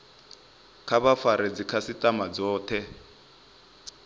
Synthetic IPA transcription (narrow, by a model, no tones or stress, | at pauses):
kʰaβafaɾɛd͡zikʰasitʼamad͡zɔːtʰɛ